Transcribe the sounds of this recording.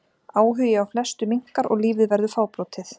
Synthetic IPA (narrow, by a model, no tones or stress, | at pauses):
aːwɦʏjɪawflɛst̪ʏmiŋ̥kaɾɔ̰ɣliːvɪðvɛɾðʏfaːwpɾɔːt̪ʰɪθ